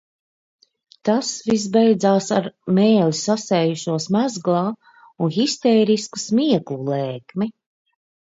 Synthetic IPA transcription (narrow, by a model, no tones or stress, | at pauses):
t̪asvis̬bɛjd̪zaːsaɾmɛːlʲisasɛːjuʃuɔsmæzɡlˠɑː | unɣist̪ɛːɾisku̥smiɛklˠulɛːkmi